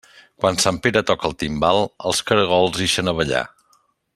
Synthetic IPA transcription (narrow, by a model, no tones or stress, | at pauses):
kwansampeɾət̪ɔkəlˠt̪imbalˠəlˠskəɾəɣ̞ɔlˠzðeʃənəβəʎa̰